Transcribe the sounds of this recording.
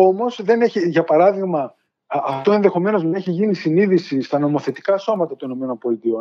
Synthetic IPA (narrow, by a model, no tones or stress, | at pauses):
o̞mo̞sðe̞ne̞çiʝɐpɐɾɐðiɣmɐ | ɐft̪o̞e̞nðe̞xo̞me̞no̞zmeçiʝinisiniðisist̪ɐno̞mo̞θe̞t̪i̥kɐso̞mɐt̪ɐt̪uino̞me̞nonpo̞lit̪io̞n